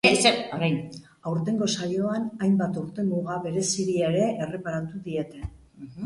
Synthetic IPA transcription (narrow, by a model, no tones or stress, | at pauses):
seoɾajn | awɾt̪e̞ŋɡo̞saʎo̞anajmbat̪awɾt̪e̞muɣaβe̞ɾe̞siɾieɾe̞ʔere̞paɾant̪uðie̞t̪e̞